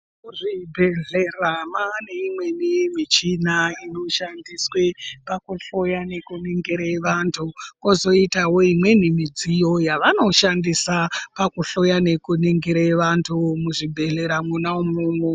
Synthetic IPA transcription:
uʐibʱeɮe̞ramane̞imwe̞nimit͡ʃinaino̞ʃandiswe̞pakuɬo̞jane̞kuniŋɡiɾaeʋantʰuko̞zo̞itawo̞imwe̞nimid͡zijo̞jaʋano̞ʃandisapakuɬo̞jane̞kuniŋɡiɾaeʋantʰumuʐibʱe̞ɮe̞ɾamunaumunu

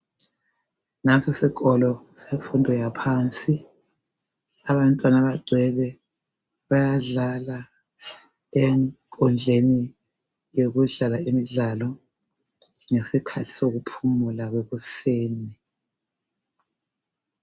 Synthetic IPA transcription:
nasasik̬ʼɔlɔ | sefundʱɔjapʰaːnt͡sʼi | aβantʼwanaβaɡ͡ǀʱwɛlɛ | βajaɮala | ɛŋkʼɔnd͡ɮʱeni | joɣuɮalaemiɮalɔ | ŋesikʰatʰi̥soɣupʰumulaɣweɣuseːni

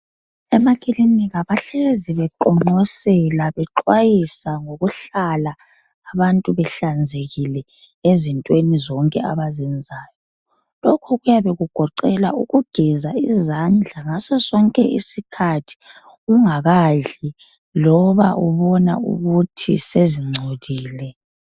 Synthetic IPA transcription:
ɛmakʰʼilimiɣaβaɬɛeziβɛǃɔŋ͡ǃɔsɛlaβɛǃwajisaŋoɣuɬalaː | βantʼuβɛɬand͡zʱeɣilɛ | ezintʼwenizɔŋkʼɛa̰βazɛnd͡zʱaːjɔ | lɔkʰɔɣujaβeɣuɡ̥ʱɔǃɛlaʔuɣuɡ̥ʱɛzaizand͡ɮʱaŋasɔsɔŋkʼɛ̰ʔḭsikʰatʰi̥ | uŋaɣaɮi | lɔβa̰ʔuβɔna̰ṵɣutʰḭseziŋ͡ǀʱodiːlɛ

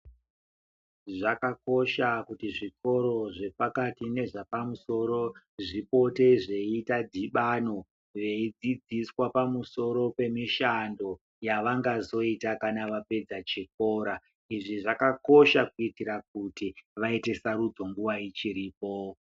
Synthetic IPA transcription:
ʐakako̞ʃakutiʐiko̞ɾo̞ʐe̞pakatine̞ʐapamuso̞ɾo̞ | ʐipo̞te̞ʐe̞itadʱiɓano̞ | ʋe̞id͡zid͡ziswapamuso̞ɾo̞pe̞miʃando̞ | jaʋaŋɡazo̞itakanaʋape̞d͡zat͡ʃik̚o̞ɾa | iʐiʐakako̞ʃakuitiɾak̚utiʋaite̞saɾud͡zo̞ŋɡuʋait͡ʃiɾiːp̚o̞

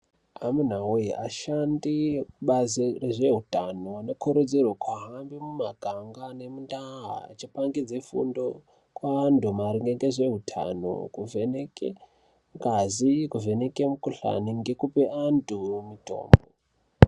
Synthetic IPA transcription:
amun̤aujiʔaʃandikuɓazireʐe̞ɦutanoano̞kʰoɾod͡zirwakʰwaɦambimumaɡ̥ʱaŋɡane̞mundaɦa̰ːt͡ʃipaŋɡid͡zefṵndo | kwaːndʱumaɾiŋɡeŋɡeʐe̞ɦutʰa̰no̰kuvenekḛ | ŋɡazikuve̞nekemukuɬa̰niŋɡe̞kupeʔandʱumito̰ːmbo

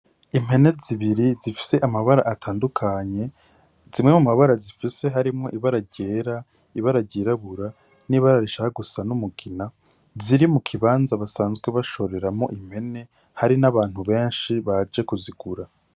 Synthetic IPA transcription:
im̥e̞ne̞ziβiɾizifi̥se̞ʔamaβaɾa̰ʔatʰaːndukʰaɲe̞ | z̥imŋe̞mumaβaɾazifise̞ɦaɾimŋo̞ʔiβaɾaɟe̞ːɾa | iβaɾaɟiɾaβuɾa | niβaɾaɾiʃahaɡusanumuɡina | ziɾimukʰiβaːnzaβasaːnzɡweβaʃo̞ɾe̞ɾamo̞ʔim̥he̞ne̞ | haɾinaβaːn̥huβe̞ːnʃiβad͡ʒe̞kuziɡuɾa

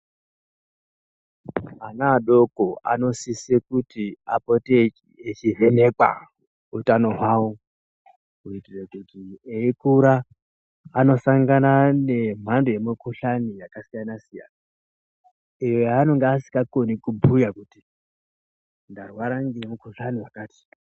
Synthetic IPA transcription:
anaːɗo̞koa̰no̞sisekutia̰potiet͡ʃivene̞kwa̰ | utanoɦwawo | uitirekutieikuɾaː | no̞saŋɡanane̞m̤andoje̞mukuɬanijakasijanasija̰na | ijojaːno̞ŋɡeasi̥kakonikubʱujakuti | ndarwaɾaŋɡemukuɬaniwakaːti̥

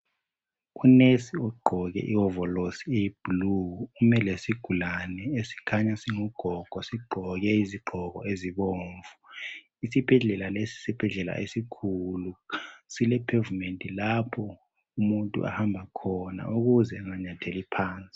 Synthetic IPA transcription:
unesiɔɡ͡ǃʱɔɣɛ̰ʔiɔvɔlosieb̥uluumɛlesiɡ̥ʱulanɛesi̥kʰaɲasiŋuɡ̥ʱɔɡ̥ʱɔsiɡ͡ǃʱɔɣɛiziɡ͡ǃʱɔɣɔ̰eziɓoːɱvu | isib̥ʱɛɮɛlalesi̥sib̥ʱɛɮɛla̰ʔesikʰulusilɛpʰɛvumentʼilapʰɔ | umuntʼṵʔa̰hambʱakʰɔna̰uɣuzɛŋaɲatʰelipʰaːnt͡sʼi̥

